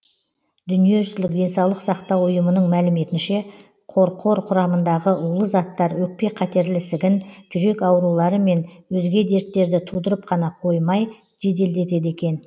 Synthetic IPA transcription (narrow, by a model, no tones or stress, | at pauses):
d̪ʏnije̞ʒʏzlɪk̚d̪e̞nsɑwlˠəqsɑqt̪ɑwʊjəmənəɴmælɪme̞t̪ɪnʃe̞ | qʰo̞ɾqʰo̞ɾqʰʊɾɑmənd̪ɑʁəʔʊulˠəzɑt̪ːɑɾwɵk̚pe̞qʰæt̪e̞ɾlɪsɪɡʲɪnʒʏɾe̞kɑwɾulˠɑɾəme̞nwɵzɡʲe̞d̪e̞ɾt̪ːe̞ɾd̪ɪt̪ʰud̪əɾəp̚qʰɑnɑqʰo̞jmɑj | ʒe̞d̪e̞ld̪e̞t̪e̞d̪e̞kʲe̞n